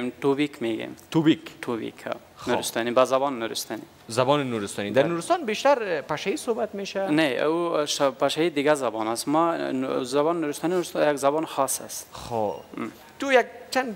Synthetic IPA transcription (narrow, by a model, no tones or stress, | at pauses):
mtubikʰmeɡḛmt̪ubikt̪ʰubḭkʰɔ̰ | xnuɾist̪ɑnibazabɔnːuɾist̪ɑni | zabɔnnuɾɪst̪ɔnid̪aɾnuɾɪst̪ɔnbeʃt̪aɾpaʃaisobat̪meʃanḛuʃpaʃaid̪ɪɡazabɔnasmazabɔnnuɾist̪ɑːninuɾst̪jaɡzabɔnxɔsa̰sxo | t̪ujaɡ̚t͡ʃand̪